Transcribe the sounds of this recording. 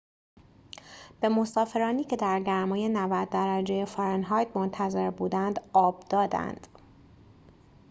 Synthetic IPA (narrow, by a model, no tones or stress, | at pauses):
b̥e̞mo̞sɒːfe̞ɾɒːniːcʰe̞d̪æɾɟæɾmɒːje̞nævæd̪̚ːæɾæd͡ʒe̞jefɒɾenɦɒjd̪mo̞nt̪ʰæze̞ɾbuːd̪ænd̪ɒːb̥d̪̥ɒːd̪æ̰nd̪̥